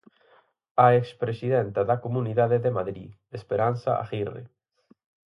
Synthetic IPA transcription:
aekspɾesiðɛnt̪ɐðɐkomuniðaðeðemaðɾi | espeɾan̟θa̰ʔa̰ɣirḛ

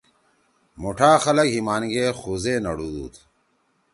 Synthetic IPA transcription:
muʈʰaːxɐlɐkɦimaːnɡexuzeːnɐɽuːd̪ṵːt̪ʰ

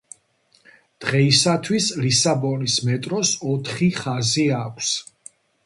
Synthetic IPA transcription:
d̪̥ʁɛisat̪ʰwislisabɔnismɛt̪ʼɾɔsɔt̪ʰχiχaziakʷʰs

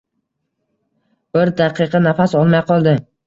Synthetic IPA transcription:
b̥ɪɾd̪aqʰɨqʰɑnafasɒlˠmajqʰɒlˠd̪ɪ

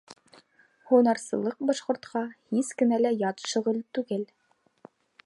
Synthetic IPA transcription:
hunɑɾsɤ̆lˠɤq̚bɑʃqŏɾt̪qɑhiskɘ̆nælæjɑt̪ʃŏʁɤ̆lt̪ʉɡɘl

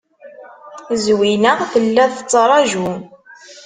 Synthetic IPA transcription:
zwinəʁθəlːæθət͡sːɾˤɑʒum

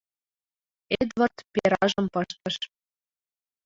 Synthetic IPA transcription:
ed̪vərt̪peɾɑʒɤ̆mpɤʃt̪ə̆ʃ

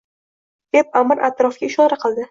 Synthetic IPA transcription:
d̪̥ep̚amɨɾʔat̪ɾɒfɡʲaɪʃɒɾaqʰɨlˠd̪ɪ

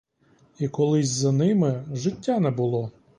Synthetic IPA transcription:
ikɔlˠɪsʲzɐnɪmɪʒɪtʲːanɛbʊlˠɔ

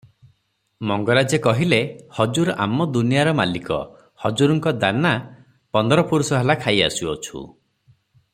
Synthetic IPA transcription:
mɔŋɡɔɾad͡ʒekɔɦilehɔd͡ʒuɾa̰mɔd̪unijaɾɔmalikɔ̰ | hɔd͡ʒuɾɔŋkɔd̪ana | pɔnd̪ɔɾɔpuɾusɔɦelakʰaja̰suɔ̰t͡ʃʰṵ

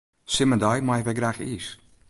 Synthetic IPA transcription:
sɪmədɔjmajʋɛjɡraxiːs

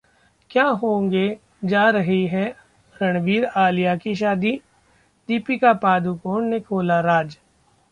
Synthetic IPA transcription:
kjaːɦõːŋɡe | d͡ʒaːɾɐɦiɦɛ | ɾɐɽ̃ʋiːɾaːlijakiʃ̬aːd̪i | d̪iːpikapaːd̪ukoːɳnekʰoːlaɾaːd͡ʒ

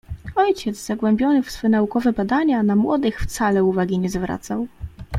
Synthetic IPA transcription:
ɔjt͡ɕɛd̪zz̥aɡwɛmbʲjɔnɘfsfɛnaukɔvɛbad̪aɲanamwɔd̪ɘxft̪salɛuvaɡʲiɲɛzvɾa̰t̪saw

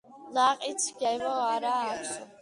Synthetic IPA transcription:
laqʼit̪sʰɡɛvɔaɾaːtɔ

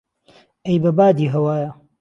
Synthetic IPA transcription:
ɐjbɐbaːd̪iːɦɐwaːjɐ

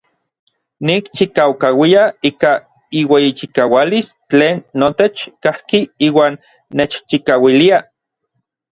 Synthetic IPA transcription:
nikt͡ʃikawkawiaiːka | iwejit͡ʃikawalist͡ɬeːnːot̪et͡ʃkahkiiːwaːnː | et͡ʃt͡ʃikawilia

